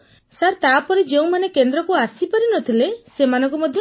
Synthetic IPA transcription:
saɾt̪apɔɾed͡ʒeũmanekend̪ɾɔkuasipaɾinɔt̪ʰilesemanɔ̃ŋk̬umɔd̪ʱjɔ

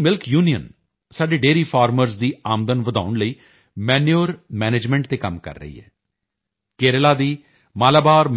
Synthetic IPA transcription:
mɪlkjuːnijə̰n | saːɖeːɖeːɾiːpʰaːɾməɾzd̪iːaːmd̪ənʋəd̪a̰ːʊɳləiː | mɛːnjoːɾmɛːneːd͡ʒmɛ̃ːɳʈ̚t̪eːkəmkə̰ɾːə̰ḭːɦɛ̰ː | keːɾəlaːd̪iː | maːlaːbaːɾm

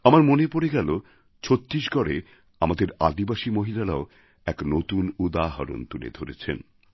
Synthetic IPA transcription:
amaɾmonepoɾeɡɛlo | t͡ɕʰot̪ːɾiʃɡɔɾe | amad̪eɾa̰d̪ibaʃimoɦilaɾao | ɛknot̪unud̪aɦaɾo̰nt̪ulḛd̪ʱoɾet͡ɕʰḛn

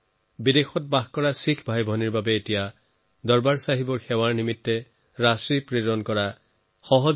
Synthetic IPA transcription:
bidexɔt̚baxkɔɹasikʰbʱajbʱɔniɹbabɛːtija | dɔɹbaɹsaɦibɔɹxɛwaɹnimitːɛ | ɹasɹipɹiɹɔnkɔɹa | xɔɦɔ

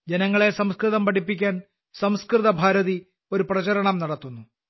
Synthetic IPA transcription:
d͡ʑenɐŋːɐɭe̞sɐmskrɨðɐmpɐʈipːikʲːaːn | sɐmskrɨðɐbʱaːɾɐði | o̞ɾuprɐt͡ɕɐɾɐɳɐmnɐɽɐt̪ːunːu

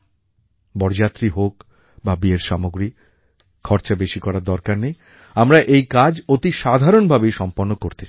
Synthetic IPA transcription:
bɔɾd͡ʑat̪ːɾiɦok | babieɾʃamoɡɾi | kʰɔɾt͡ɕabeʃikɔɾaɾd̪ɔɾkaɾnej | amɾaʔejkad͡ʑot̪iʃad̪ʱaɾonbʱabejʃɔmponːokoɾt̪et͡ɕʰ

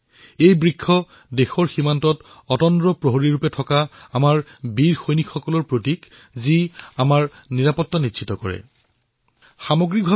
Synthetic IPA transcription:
ejbɹikʰːɔ | dexɔɹximantɔt | ɔtɔndɹɔpɹoɦoɹiɹupɛtʰɔkaamaɹbiɹxojnikxɔkɔlɔɹpɹotik | ziamaɹniɹapɔtːanitːʃʰitɔkɔ̰ɹɛ̰ | xamoɡɹik̚bʱa

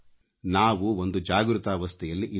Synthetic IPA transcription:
naːʋuo̞nd̪ud͡ʒaːɡɾut̪aːʋɐst̪ʰɛjɐlːiʔi

